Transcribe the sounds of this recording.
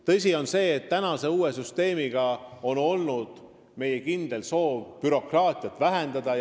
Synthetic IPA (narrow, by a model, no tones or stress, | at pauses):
t̪ɤs̬ʲio̞nse̞ːt̪ːænɑse̞uːesyst̪e̞ːmiɡ̥ɑo̞no̞lnud̪̥ | me̞jekind̪̥e̞lso̞ːvpyɾo̞krɑːt̪ʲˑiɑt̪ːˑvæɦend̪̥ɑd̪̥ɑj